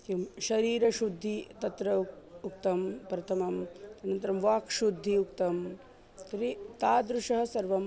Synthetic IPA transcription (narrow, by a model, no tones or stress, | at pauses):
kimʃɐɾiːɾɐʃud̪ʱːit̪ɐt̪ɾɐ | uk̚t̪ɐmpɾɐt̪ʰɐmɐmɐnɐnt̪ɐɾɐmʋaːkʂud̪ʱːiukt̪ɐm | t̪ɾit̪aːd̪ɾuʂɐɦɐ̆sɐɾʋɐm